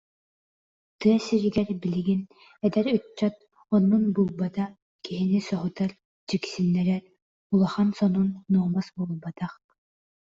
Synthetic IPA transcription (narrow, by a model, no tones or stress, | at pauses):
t̪ɯɐsiɾiɡɛɾbiliɡin | ɛd̪ɛɾœt͡ɕːœt̪̚ | ɔnːunbulˠbat̪a | kiɦinisɔɦut̪aɾ | d͡ʑiksinːɛɾɛɾ | ulˠɔχansɔnunːuɔmasbulˠbat̪aχ